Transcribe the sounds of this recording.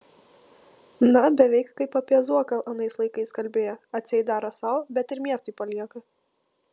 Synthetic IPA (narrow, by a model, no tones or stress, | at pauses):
nɐbʲɛʋʲɛɪkkɐɪpːɐpʲɛzuɔkɐʔɐnɐɪslˠɐɪkɐɪskɐlʲbʲeːjɛɐt̪ʲsʲɛɪd̪ɑːɾɐsɑʊbʲɛt̪ɪɾmʲiɛst̪ʊɪpɐlʲiɛkɐ